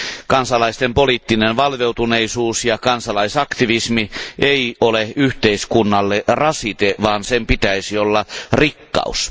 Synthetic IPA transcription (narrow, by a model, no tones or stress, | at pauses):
kɑnsɑlɑist̪empoliːt̪ːinenʋɑlʋeuwt̪uneisuːsjɑkɑnsɑlɑisɑkt̪iʋismieiʔoleyht̪eiskunːɑlːerɑsit̪eʋɑːnsempit̪æisiolːɑrikːɑ̰us